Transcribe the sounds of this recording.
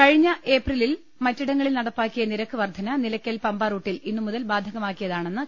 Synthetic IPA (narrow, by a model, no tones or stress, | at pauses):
kɐɻiɲːɐʔe̞ːprilil | mɐtːiɽɐŋːɐɭilnɐɽɐpːaːkːijɐniɾɐkːɨʋɐrd̪ʱɐnɐnilɐkʲːɐlpɐmbaːruːʈːilinːɨmuðɐlbaːd̪ʱɐɣɐmaːkːijɐðaːɳe̞nːɨ